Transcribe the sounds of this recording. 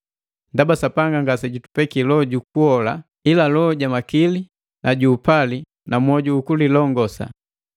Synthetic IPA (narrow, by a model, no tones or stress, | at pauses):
ndabasapaŋɡaŋɡasɛɟutu̥pɛkilɔɟukuɔla | ilalɔɟamakili | naɟuːpali | namɔɟuːkulilɔŋɡɔsa̰